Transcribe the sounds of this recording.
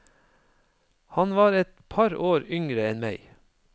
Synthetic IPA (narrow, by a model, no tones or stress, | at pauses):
hɑnʋɑːɾɛt̪pʰɑɾoːɾʏŋɾəɛnmæɪ